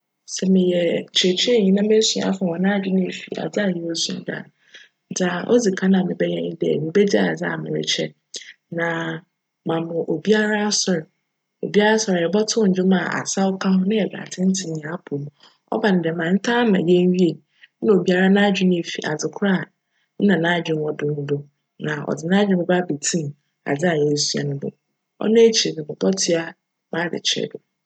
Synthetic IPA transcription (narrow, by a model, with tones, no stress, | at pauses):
sɛ˨mɪ̃˨jɛ˨t͡ɕʰe˨t͡ɕʰi˦ɛ˦˨ɲĩ˦nã˦bɛ˦sũ˨a̰˨fã˨ɔ˨nã˦d͡ʑᶣɪ˦nɪ̃˦˨fi˨a̰˨d͡za˦a˦˨jɛ˦o˦sṵ̃˨n˦da̰˨˦ | d͡za˨ʔɔ˦d͡zi˨kʰa˦nã˨mɪ̃˨bɛ˦ɲɛ̃˦ɲɪ̃˦dɛ̰˨mɪ̃˨bɛ˦d͡ʑa˦a˨d͡za̰˦˨mɪ̰̃˨ɾɪ̰˨t͡ɕʰɛ̰˦ | nã˨ | mã˨mʊ̃˨ʔo˨bi˦a˦ɾa˦sɔ˨ɾ | o̰˨bi˦a˦ɾa˦sɔ˨ɾɛ˨bɔ˦tʰʊ˦ɲ̩˨d͡ʑᶣɪ˦mã˨a̰˨sa˦ɔ˦kʰa˦ɦʊ˦nã˦ɛ˨ba̰˨tʰɪ̃˦n̩˦tʰɪ˨ɲ˨ã˨˦a˦pʰu˨m˨ | ɔ̰˦ba˨nɪ̃˨dɛ˨mã˨n̩˦tʰa˦mã̰˨je˦n˦ɥi˦e˨˦ | ã˦o˨bi˦a˦ɾa˦nã˦d͡ʑᶣɪ˦nɪ̃˦e˨fḭ˨ʔa̰˨d͡zɪ˨kʰʊ˦ɾa˦˨ | n̩˦nã˨nã˦d͡ʑᶣɪ̃˨m˦ɔ˦dʊ̃˨n̩˦dʊ˦ | nã˨ɔ̰˨dɪ˨nã˦d͡ʑᶣɪ̃˦mʊ̃˨˦ba˦be˨tʰĩ˦m˨ | a̰˨d͡zɪ˦a˨ɲɛ˦˨˦su˦a̰˨nʊ̃˦bʊ̰˦ | ɔ̰˦nɛ̃˦t͡ɕʰi˨e˨nɪ̃˨mʊ̃˨bɔ˦tʰɪ˦a˦ | mã˦˨dɪ̰˨t͡ɕʰɛ̰˨dʊ˨